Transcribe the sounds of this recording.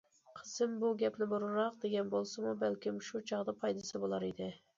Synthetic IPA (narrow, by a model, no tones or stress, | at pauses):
qʰə̥sɨmbuɡʲɛpnɪboɾʊnɾɑqd̪eɡʲɛnbolˠsɨmubælkʲɪmʃut͡ʃʰɑʁd̪ɑpʰɑjd̪ɨsɪbolˠɑɾid̪ɪ